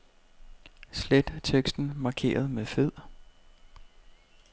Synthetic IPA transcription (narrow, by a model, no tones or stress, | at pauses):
sled̥t͡sʰeɡ̥sd̥n̩mɑ̈ːkʰe̝̰ːɐð̞̩ˠmeðˠfe̝ð̞̰ˠ